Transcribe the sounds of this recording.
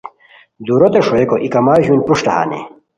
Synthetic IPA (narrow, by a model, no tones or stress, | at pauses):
d̪uɾot̪eʂoekoʔikɐmaːʑunpuʂʈɐha̰ːnḭ